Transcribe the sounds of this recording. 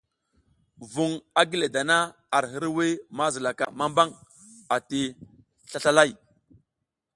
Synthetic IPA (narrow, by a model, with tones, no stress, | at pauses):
vu˨ŋa˦ɡi˦le˨da˨na˦ | a˨ɾɦə˦ɾwi˦ma˦zə˨la˨ka̰˨ma˦mba˦ŋ | a˨ti˨ | ɬa˦ɬa˦la˦˨j